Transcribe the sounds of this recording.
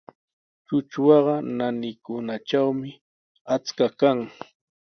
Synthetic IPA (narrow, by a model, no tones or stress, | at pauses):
t͡ʃʊt͡ʃwɑɢɑnanɪkʊnat͡ʃawmɪ | at͡skakaŋ